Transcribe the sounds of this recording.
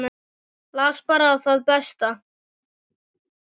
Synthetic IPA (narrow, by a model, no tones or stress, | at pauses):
laːspaːɾaːðθaðpɛst̪a